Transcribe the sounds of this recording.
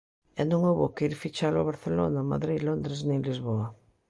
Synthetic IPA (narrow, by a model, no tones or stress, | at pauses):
ɛnõŋowβokeiɾfit͡ʃalʊaβaɾθelo̰nama̰ðɾilond̪ɾeznẽlizβoa